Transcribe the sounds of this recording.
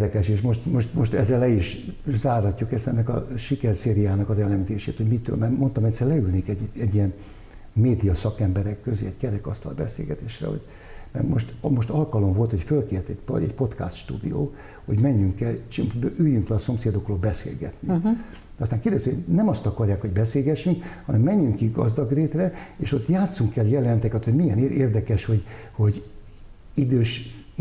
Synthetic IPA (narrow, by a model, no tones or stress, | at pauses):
ɾɛkɛʃeːʃmo̞ʃt̪mo̞ʃt̪moʃt̪ɛzɛlːɛiʃzaːrhɒcːukɛst̪ɛnːɛkɒ̰ʃikɛrseːɾijaːnɒkɒzɛlɛmzeːʃḛːt̪hoɟmit̪ø̰ːlmɛrmont̪ɒmɛtʲsɛrlɛylneːkɛɟɛɟːijɛn | meːd̪ijɒsɒkɛmbɛɾɛkːøzḛːɛckɛɾɛkɒst̪ɒ̰lbɛ̰sḛːlɡɛt̪eːʃrɛ̰ho̰ɟ̥ | mɛ̰rmo̰ʃt̪mo̞ʃt̪ɒlkɒlo̞ɱvo̞lt̪ho̞cfølkeːrt̪ɛɟpoɛ̰cpo̞t̪ka̰st̪ʃt̪ṵːd̪ḭjo̰ː | ho̞̰ɟmɛɲːyŋkːɛlt͡ʃʔyjyŋkrɛɒso̞mseːd̪o̞kroːlbɛsḛːlɡɛ̰t̪ni | d̪ɒst̪aːŋkerd̪ɛst̪yhonɛmɒst̪ɒkɒrjaːkho̞ɟbɛseːlɡɛʃːyŋkhɒnɛmːɛɲːyŋkːiɡɒ̰zd̪ɒɡreːt̪rɛeːʃo̞t̪ːjaːt̪suŋkːɛljɛlɛnt̪ɛkɛt̪ho̞ɟmijɛneeːrd̪ɛkɛʃho̞ɟ | ho̞ɟ | id̪øːʃ